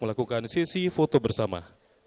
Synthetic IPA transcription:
məlakukansisifot̪obərsama̰

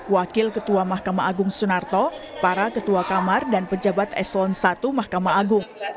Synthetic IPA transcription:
wakɪlkət̪uamahkamaʔaɡʊŋsunart̪ɔ | paɾakət̪uakamardanpəd͡ʒabat̪ɛ̰slɔnsat̪umahkamaːɡʊŋ

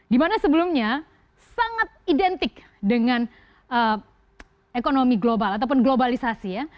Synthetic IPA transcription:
dimanasəbəlumɲa | saŋat̪̚idɛnt̪ɪk̚ | dəŋan | ə | ekonomiɡlobalat̪̬awp̬ʊnɡlobalisasija

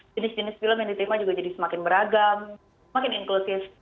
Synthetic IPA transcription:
d͡ʒənɪsd͡ʒənɪsfiləmjaŋdit̪ɾimad͡ʒuɡad͡ʒadisəmakɪnbəɾaɡam | səmakɪnɪŋklosɪf

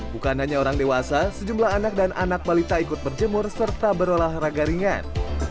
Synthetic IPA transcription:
bukanaɲaoɾaŋdewasasəd͡ʒumlaɦanak̚danʔanak̚balit̪aikʊt̪̚bərd͡ʒəmʊrsərt̪abəɾolahraɡaɾiŋan

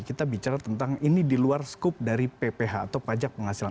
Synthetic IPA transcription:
kit̪abit͡ʃaɾat̪ənt̪aŋinidiluarsə̥kop̚daɾipepeɦaːt̪awpad͡ʒak̚pəŋhasila

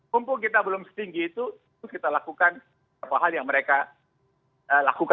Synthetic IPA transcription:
umpʊŋk̬it̪abəlʊmsə̥t̪iŋɡiːt̪u | ukit̪alakukan | bapaɦaljaŋməɾeka | əla̰kuka

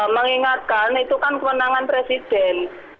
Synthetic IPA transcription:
məŋiŋat̪̚kalnit̪ukankəwənaŋanpɾesid̪̥ɛn

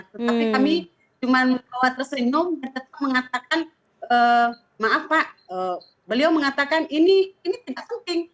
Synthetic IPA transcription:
t̪ət̪apikami | t͡ʃumanbawat̪rəsinʊmdant̪ət̪ap̚məŋat̪akan | ə | maʔafpaʔə | bəliawməŋat̪akaniniːnit̪idaʔ̚pənt̪ɪŋ

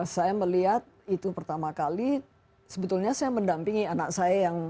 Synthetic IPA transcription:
sajaməliɦat̪̚it̪upərt̪amakali | səbət̪ulɲasajaməndampɪŋianak̚sajajaŋ

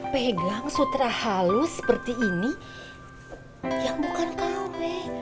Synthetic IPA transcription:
peɡaŋsut̪ɾahalusə̥pərt̪iːni | jaŋbukant̪abɛh

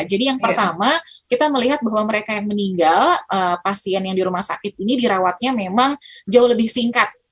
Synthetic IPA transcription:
d͡ʒadijaŋpərt̪amakit̪aməliɦat̪̚baɦwaməɾekajaŋməniŋɡaləpasiɛnjaŋdiɾumahsa̰kɪt̪̚inidiɾawat̪̚ɲamemaŋd͡ʒaʊhləbɪhsiŋkat̪̚

